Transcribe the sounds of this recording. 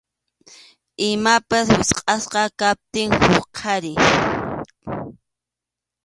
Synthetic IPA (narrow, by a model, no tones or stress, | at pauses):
ɪmapaswɪsqʼɑsqɑkap̚t̪ɪŋhʊχqʰɑɾɪ